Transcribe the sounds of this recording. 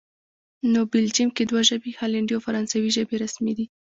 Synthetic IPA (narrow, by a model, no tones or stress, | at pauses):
nobɪld͡ʒimked̪waʒəbihalaɳɖiawfaɾɑnsawiʒəbeɾasmed̪i